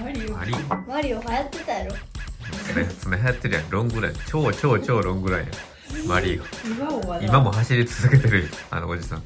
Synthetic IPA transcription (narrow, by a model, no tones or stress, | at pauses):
maɾʲiomaɾʲiohajat̪ːe̞t̪ajaɾoɯ̃t͡sɨmet͡sɨmeɦajat̪ːe̞ɾɯ̟jãɾõ̞ŋɡɯ̟ɾajt͡ɕo̞ːt͡ɕo̞ːt͡ɕo̞ːɾõ̞ŋɡɯ̟ɾaḭjã̰ | maɾʲiaiimamo̞ɦaɕiɾʲit͡sɨzɨke̞t̪e̞ɾɯ̟joa̰nood͡ʑisã̰ŋ